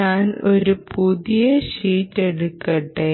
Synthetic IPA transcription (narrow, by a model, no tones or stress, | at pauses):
aːnoɾupuðijɐɕiːtːeɽukːɐʈːe